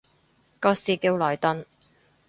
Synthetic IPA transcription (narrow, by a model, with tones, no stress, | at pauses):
kɔː˧siː˨ki˧wlɔː˨˩jt̪ɵ˧n